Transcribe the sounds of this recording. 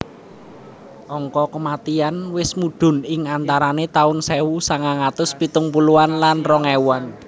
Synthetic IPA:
ʔɔŋkɔkəmat̪ianwɪsmuɖ̪̥ʊ̤nɪŋant̪aɾanet̪aʊnsewusaŋaŋat̪ʊspit̪ʊŋpuluanlanrɔŋewan

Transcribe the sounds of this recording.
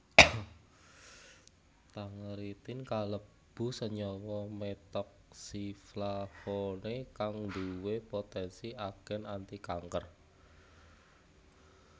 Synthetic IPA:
t̪aŋəɾit̪ɪnkalə | b̥ṳsəɲɔwɔmet̪ɔk̚siflafonekaŋnd̪uwepot̪ɛnsiʔaɡ̥ɛ̤nant̪ikaŋkər

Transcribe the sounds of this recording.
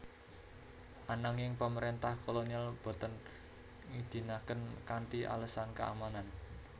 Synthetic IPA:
ʔanəŋjɪŋpəməɾent̪ahkolonialb̥o̤t̪ən | ŋid̪̥i̤nakənkant̪iʔa̰ləsankəʔa̰manan

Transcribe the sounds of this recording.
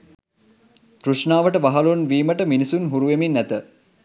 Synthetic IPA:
kɾuʂnaːʋəʈəʋaɦɐlunʋiːməʈəminisunɦuɾuʋeminːæt̪ə

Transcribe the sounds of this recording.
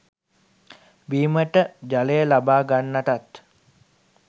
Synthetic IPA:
biːməʈəd͡ʒaləjəlabaːɡanːaʈat̪

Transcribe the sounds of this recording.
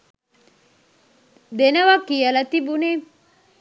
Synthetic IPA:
d̪enɐʋɐkːijɐlɐt̪ibune

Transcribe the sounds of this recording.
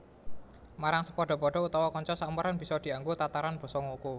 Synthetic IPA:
maɾaŋsəpɔɖ̥ɔ̤pɔɖ̥ɔ̤ut̪ɔwɔkɔɲt͡ʃɔsauməɾanb̥i̤sɔd̪̥i̤aŋɡot̪at̪aɾanb̥ɔ̤sɔŋouko

